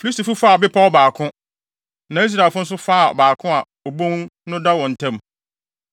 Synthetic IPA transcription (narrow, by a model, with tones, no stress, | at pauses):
fi˨li˦sti˨fu˦fa˦˨bɪ˦pʰa˦ɔ˦˨baː˨kʰʊ̃˦ | nã˨˦i˦s̬ɾa˨fʊ˦n̩˦s̬ʊ˦fa˦˨ɔ̰˨baː˨kʰʊ̃˦a˨ | o˨bõ˦ŋnʊ̃˦da˦wɔ̃˨n̩˨tʰɛ̃˦m